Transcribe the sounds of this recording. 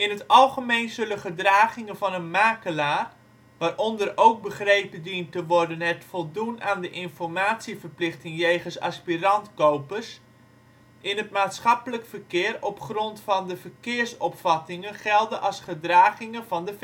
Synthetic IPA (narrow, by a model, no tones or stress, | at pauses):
ɪnətɑlˠχəmejnzɵlənχədraːχɪŋənvɑnənmaːkəlaːr | ʋaːrʔɔndərowk̚bəχrejpədintəʋɔrdənɛtfɔlˠdunaːndəʔɪnfɔrmaːtsivərplɪχtɪŋjeːχənsa̰spirɑntkowpərs | ʔɪnɦətmaːtsχɑpələkfərkɪːərɔpχrɔntfɑndəvərkɪərsɔpfɑtɪŋənχɛlˠdənʔɑlˠsχədraːχɪŋəvɑndəf